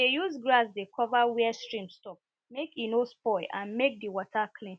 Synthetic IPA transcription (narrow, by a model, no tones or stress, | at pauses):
ejuzɡɹasdekʰɔvawɛɛstɹĩmstɔp̚ | mekinospɔʔãnmek̚diwɔtʰakʰlĩn